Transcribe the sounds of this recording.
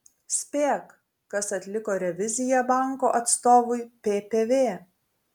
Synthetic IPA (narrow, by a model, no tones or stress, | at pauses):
sʲpʲeːkː | ɐsɐt̪ʲlʲɪkoːɾʲɛʋʲɪzʲɪjɛbɑˑŋkoːʔɐt̪st̪oːʋʊɪpʲeːpʲeːʋʲeː